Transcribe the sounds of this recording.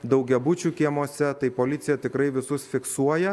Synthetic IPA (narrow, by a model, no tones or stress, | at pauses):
d̪ɐʊɡʲɛbʊt͡ʃʲuːkʲiɛmoːsʲɛt̪ɐɪpoːlʲɪt̪sʲɪjɛt̪ʲɪkɾɐɪʋʲɪsʊsfʲɪksuɔjɛ